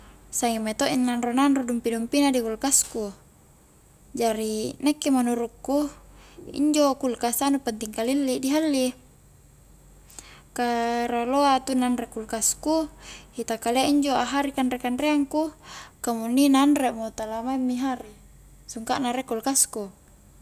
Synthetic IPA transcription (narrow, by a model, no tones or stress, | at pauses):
saŋimːet̪oʔinːanronanrodumpidumpinadikulkasku | d͡ʒaɾinekːemanuɾukːu | ḭɲd͡ʒokulkasanupant̪iŋkalilːidiɦalːi | kaɾaloat̪unanrekulkaskuhit̪akaleʔiɲd͡ʒoaɦaɾikanɾekanreaŋkukamunːinanremot̪alamaimːiɦaɾi | suŋka̰ʔnaɾekulkasku